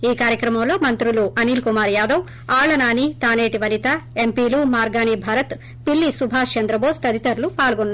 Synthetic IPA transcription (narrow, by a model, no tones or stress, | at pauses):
iːkaːɾjɐkɾɐmɐmlo̞ːmɐnt̪ɾuluʔɐniːlkumaːɾjaːd̪ɐw | aːɭɐnaːnit̪aːneːʈiʋɐlit̪aempiːluːmaːɾɡaːnibʱaːɾɐt̪ | pilːisubʱaːt͡ʃɐnd̪ɾɐboːst̪ɐd̪it̪ɐɾlupaːlɡonːa